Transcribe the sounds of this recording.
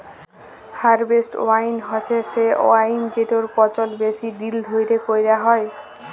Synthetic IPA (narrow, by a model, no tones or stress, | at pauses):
haɾbesʈo̰ajnɦɔt͡ɕʰeseo̰ajnd͡ʑeʈoɾpɔt͡ɕolbesid̪ild̪ʱojɾekojɾeaɦɔe